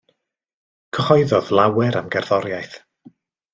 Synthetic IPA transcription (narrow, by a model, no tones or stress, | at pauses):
kʰəhɔjðɔðlˠawɛɾamɡɛrθɔɾjajθ